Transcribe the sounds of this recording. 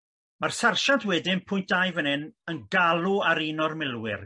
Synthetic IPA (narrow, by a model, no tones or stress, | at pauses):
marsarʃantʰwɛdɪnpʰʊjnt̚ajvənɪnənɡalˠuaɾiːnɔrmɪlˠwɪ̰r